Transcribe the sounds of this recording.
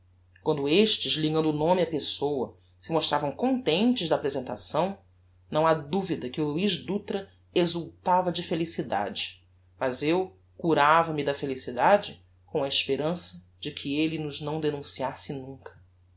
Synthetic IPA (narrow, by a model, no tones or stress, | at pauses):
kwɐ̃nd̪ʊeʃt͡ʃɪzliɡɐ̃nd̪ʊːnõmɪɐpesowɐ | sɪmoʃt̪ɾavɐ̃w̃kõnt̪ẽnt͡ʃɪʒd̪ɐaːpɾezẽnt̪a̰sɐ̃w̃ | nɐ̃w̃ad̪uvid̪ɐkɪʊluiʒd̪ut̪ɾɐ | ezuwt̪avɐd͡ʒɪfelisid̪a̰d͡ʒɪ | mɐzew | kuɾavɐmɪd̪ɐfelisid̪ad͡ʒɪ | kõw̃ɐeʃpeɾɐ̃sɐ | d͡ʒɪkʰɪelɪnʊznɐ̃w̃d̪enũsiasɪnũŋkɐ̥